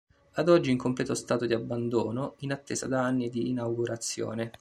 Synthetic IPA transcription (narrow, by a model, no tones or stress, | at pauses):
ad̪ɔd͡ʒːiːŋkomplɛːt̪ost̪aːt̪od̪iabːand̪oːnoinat̪ːḛːza̰d̪aanːid̪iːnawɡuɾat̪sːjo̰ːne